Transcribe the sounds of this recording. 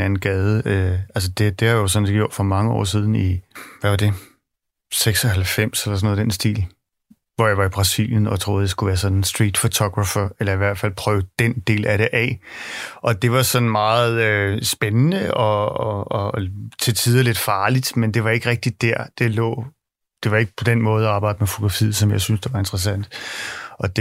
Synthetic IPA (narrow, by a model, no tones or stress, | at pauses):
ænn̩ɡ̥ɛːðˠəøæls̬əd̥e̝d̥e̝hɑjo̝sɒ̽nse̝ːɡ̥jo̰d̥fɒ̽mɑ̈ŋəɒ̰ːs̬iːð̞ˠn̩iʋæʋɑ̈d̥e̝ | seɡ̥sɒhælfem̰selɐsɒ̽noːðˠd̥ensd̥ḭːl | ʋɒjɑ̈ɪʋɑ̈ib̥ʁɑ̈sḭljənɒ̽t͡sʰʁo̝ːðˠd̥e̝sɡ̥uʋæːɐsɒ̽nensd̥ʁiːd̥fot͡sʰɒɡ̥ʁɑfæelɐiʋæɐ̰d̥fæl̰pʰʁœːʊəd̥end̥e̝̰ːlæɾe̝ʔɛ | ʔɒ̽d̥e̝ʋɑ̈sɒ̽nmɑ̈ːð̩ˠøsb̥enənəɒ̽ɒː | t͡sʰe̝t͡sʰiːð̞ˠɐle̝d̥fɑ̈ːlid̥mend̥e̝ʋɑ̈e̝ɡ̥əʁɛɡ̥̚d̥id̥æɐ̰d̥e̝lɔ̰̽ː | d̥e̝ʋɑ̈e̝ɡ̥əpʰɒ̽d̥enmɔ̽ːð̞̩ˠɒɑ̈ːb̥ɑ̈ɪ̰d̥əmefo̝t͡sʰo̝̥ʁɑfḭð̩ˠsɒ̽mjɑ̈ɪsynsd̥e̝ʋɑ̈e̝nd̥ʁɐsæn̰d̥ʔɒ̽d̥e